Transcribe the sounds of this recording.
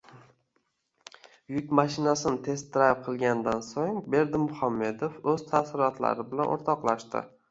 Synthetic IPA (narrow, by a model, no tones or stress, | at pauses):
jʊkʲmaʃɪnasɪnɪt̪ʰe̞st̪d̪ɾajp̚qʰɨlˠɡʲand̪ansoŋbe̞ɾd̪ɪmːʊhamːe̞d̪ofɵzt̪ʰasɪɾɒt̪la̰ɾɪbɪlanʔo̰ɾt̪ʰɒqlˠaʃt̪ɪ̰